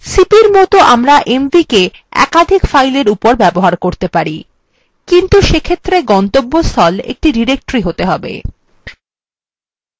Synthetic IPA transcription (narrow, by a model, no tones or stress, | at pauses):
sipiɾmɔt̪oʔamɾaʔemvike | ɛ̰kad̪ʱikfajleɾupoɾbɛboɦaɾkoɾt̪epaɾi | kint̪uʃekʰet̪ːɾeɡɔnt̪obːost̪ʰɔlḛk̚ʈiɖiɾek̚ʈɾiɦot̪eɦɔbḛ